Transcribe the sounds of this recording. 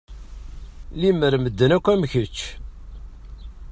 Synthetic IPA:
liməɾməd̪ːənækʷːæmçət͡ʃː

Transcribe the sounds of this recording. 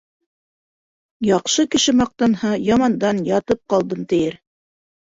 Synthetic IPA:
jɑqʃɤkɘ̆ʃɘmɑq̚t̪ɑnhɑjɑmɑnd̪ɑnjɑt̪ɤp̚qɑlˠd̪ɤnt̪ɘ̆jɘɾ

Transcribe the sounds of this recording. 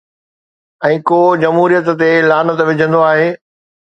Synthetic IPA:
ɛ̃ːkoːd͡ʑɐmɦuːɾijət̪t̪elaːnə̆t̪ʋɪd͡ʑʱə̃nd̪oaːɦeː

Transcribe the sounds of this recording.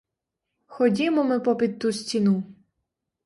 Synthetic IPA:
xɔdʲimɔmɪpɔpʲid̪̚t̪usʲtʲinu

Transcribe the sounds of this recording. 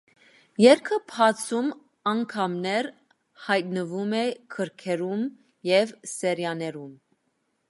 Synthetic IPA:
jɛɾkʰəpʰhɑt͡sʰum | ɑŋkʰɑmnɛɾ | hɑjt̪̚nəvumɛkʰəɾkʰɛɾum | jɛvsɛɾjɑnɛɾum

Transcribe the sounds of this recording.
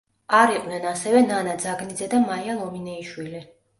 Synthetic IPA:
aɾiqʼnɛnasɛvɛnanad̪zaɡnid̪zɛd̪amaialˠɔminɛiʃwili

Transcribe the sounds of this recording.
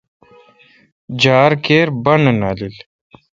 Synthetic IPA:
d͡ʑaːɾkeːɾbɐnnaːlil

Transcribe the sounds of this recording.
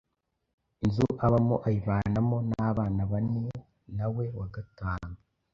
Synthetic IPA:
nzuʔaβamoʔajiβaːnamo̞naβaːnaβane | nawe̞waɡataːŋɡa

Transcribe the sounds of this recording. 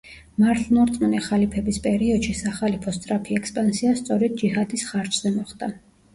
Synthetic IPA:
maɾt̪ʰnɔɾt̪ʼnɛχalipʰɛbispʼɛɾiɔd̪ʃisaχalipʰɔst̪ʼɾapʰiɛkspʼansiast̪sʼɔɾɛd̪̚d͡ʒiɦad̪isχaɾt͡ʃʰz̥ɛmɔχd̪̥a

